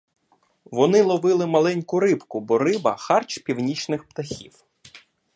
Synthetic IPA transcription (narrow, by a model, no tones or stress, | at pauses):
ʋɔnɪlˠɔʋɪlˠɪmɐlˠɛnʲkʊɾɪpkʊbɔrɪbɐxɑrt͡ʃpʲiwnʲit͡ʃnɪxpt̪ɐxʲiw